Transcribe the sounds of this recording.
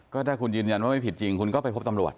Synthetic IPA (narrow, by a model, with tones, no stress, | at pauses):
kɔː˥˩daː˥˩jkʰu˧nɯː˧nja˧nwaː˥˩ma˥˩pʰi˨˩t̪̚t͡ɕi˧ŋkʰu˧nkɔː˥˩pa˧pʰo˦˥p̚t̪a˧mɾu˨˩ət̪̚